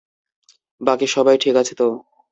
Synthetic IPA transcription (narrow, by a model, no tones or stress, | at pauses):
bakiʃɔbajʈʰikat͡ɕʰet̪o